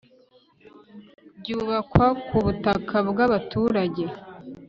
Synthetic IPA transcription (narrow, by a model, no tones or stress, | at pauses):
ɟuːβakwakuβutakʰabɡaβatuːɾaɟe̞